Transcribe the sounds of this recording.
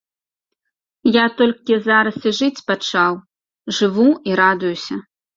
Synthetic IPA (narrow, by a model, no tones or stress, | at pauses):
jat̪ɔlʲkʲizaɾɐsiʐɨt͡sʲpat͡ʂaw | ʐɨvuiɾad̪ʊjusʲɐ